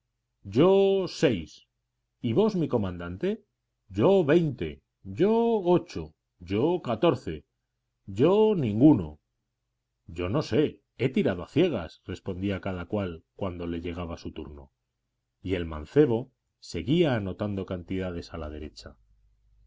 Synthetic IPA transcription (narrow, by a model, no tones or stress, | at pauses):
ɟ͡ʝo̞se̞js | iβo̞zmiko̞mãnd̪ant̪e̞ | ʝo̞βe̞jnt̪e̞̰ | ɟ͡ʝo̞ot͡ʃo̞ | ʝo̞kat̪o̞ɾθe̞ | ɟ͡ʝo̞nĩŋɡuno̰ | ɟ͡ʝo̞no̞se̞ | e̞t̪iɾaðoaθje̞ɣ̞a̰sre̞spo̞nd̪iakaðakwalkwand̪o̞le̞ʎe̞ɣ̞aβasut̪ṵɾno̞̰ | ie̞lmã̰n̟θe̞β̞o̞ | se̞ɣiaːno̞t̪and̪o̞kant̪iðað̞e̞sala̰ðe̞̰ɾe̞̰t͡ʃa